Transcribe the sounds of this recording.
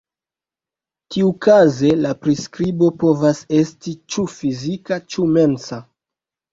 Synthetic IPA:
tʰiukaze̞lapɾiskɾibo̞po̞vase̞stit͡ʃufizikat͡ʃume̞nsa

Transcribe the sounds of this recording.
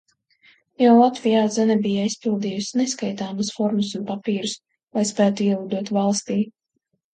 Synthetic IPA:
jawlˠat̪vʲijaːzɛnɛbijaispilˠd̪iːjusineskajt̪aːmusfɔɾmusunpapiːɾus | lajspæːt̪uiɛud̪uɔt̪valˠst̪iː

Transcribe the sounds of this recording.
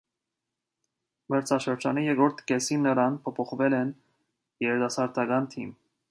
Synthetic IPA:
mɛɾt͡sʰɑʃəɾd͡ʒɑnijɛɡɾɔɾt̪ʰkɛsinːəɾɑnpʰɔpʰɔχvɛlɛn | jɛɾɛd̪ɑsɑɾd̪ɑɡɑnt̪ʰim

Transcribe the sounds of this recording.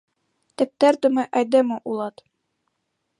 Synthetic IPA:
t̪ɘ̆p̚t̪æɾd̪ɵ̆mɘʔæjd̪ɘmɘʔulˠɑt̪

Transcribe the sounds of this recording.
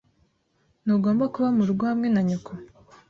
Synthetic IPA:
nuɡo̞ːmbakuβamuɾuɡohamŋe̞naɲukʰo

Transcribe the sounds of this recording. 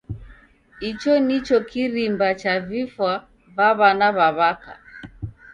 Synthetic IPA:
it͡ʃɔnit͡ʃɔkiɾimbat͡ʃavifwa | βaβanaβaβaka̰

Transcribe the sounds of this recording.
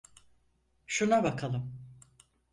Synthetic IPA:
ʃunabakʰalˠɯm

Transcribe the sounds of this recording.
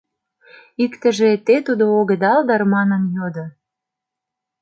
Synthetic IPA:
ikt̪ə̆ʒet̪et̪ud̪ooɣə̆d̪ɑld̪ɑrmɑnənjod̪ŏ

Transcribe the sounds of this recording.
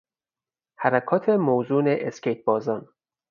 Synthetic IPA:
hæɾækʰɒːt̪ʰe̞mowzuːneʔescejt̪̚bɒːzɒn

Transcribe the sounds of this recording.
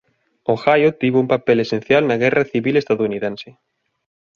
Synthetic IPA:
oxajot̪iβumpapelesen̟θjalnaɣ̞ɛraθiβilest̪aðouniðẽnse

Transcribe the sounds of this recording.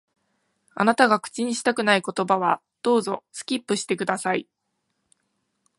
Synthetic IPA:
a̰nat̪aɡakɯ̥t͡ɕiɲ̟iɕi̥t̪akɯ̟naiko̞t̪o̞baβ̞a | d̪̥o̞ːzo̞sɨ̥kʲipːɯ̟ɕi̥t̪e̞kɯ̟d̪asai

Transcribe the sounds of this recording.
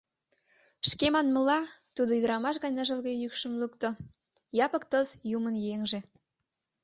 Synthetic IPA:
ʃkemɑnmə̆lɑt̪ud̪oyd̪əɾɑmɑʃɣɑnʲəʒəlɣejykʃə̆mlukt̪o | jɑpə̆k̚t̪əzjumənjeŋʒe

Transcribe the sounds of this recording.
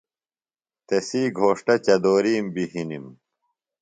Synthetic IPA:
t̪esiːɡʱoːʂʈɐt͡ɕɐd̪oːɾiːmbiɦinim

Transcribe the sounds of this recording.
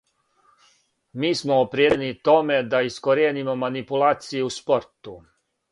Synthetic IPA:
miːsmoːpɾjed̪enit̪o̞me̞d̪aiskoɾeːnimo̞manipulaːt̪sijeuspoɾt̪u

